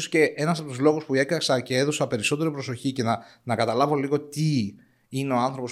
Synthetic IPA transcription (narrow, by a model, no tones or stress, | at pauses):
osce̞ʔe̞nɐsɐpot̪uzlo̞ɣuspue̞kɾɐksɐce̞eðosɐpe̞ɾiso̞t̪e̞ɾipɾo̞so̞çice̞nɐnɐkɐt̪ɐlɐvo̞liɣo̞t̪i | ineo̞ɐnθɾo̞po̞s